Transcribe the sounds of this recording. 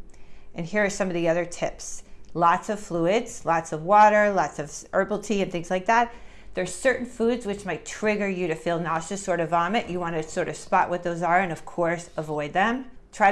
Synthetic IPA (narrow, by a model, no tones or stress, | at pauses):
ʔɨ̃nhiɹəsʌ̃mʌvðiʌðə˞tʰɪpslɑtsʌv̥fluɪdz̥lɑtsʌvwɔɾə˞lɑtsʌv̥ʔɜ˞bl̩ˠtʰiɨ̃nθɪ̃ŋzlaɪk̚ðæt̪̚ | ðə̥˞sɜ˞ʔn̩fudzwɨt͡ʃmaɪtʰɹ̥ɪɡə˞jɨɾɨfilˠnɑʃɨsɔɹɾʌvɑmɨʔjɨwɑ̃nɨsɔɹɾʌv̥spɑ̰ʔwʌt̪̚ðoʊzə˞ɨ̃nʌv̥kʰɔɹsəvɔɪd̪̚ðɨ̃m | tʰɹ̥aɪ